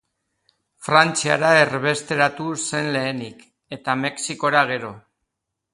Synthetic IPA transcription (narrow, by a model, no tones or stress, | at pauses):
fɾant͡sia̰ɾae̞rβe̞st̪e̞ɾat̪use̞nle̞ːnik | e̞t̪ame̞ksiko̞ɾaɣ̞e̞ɾo̞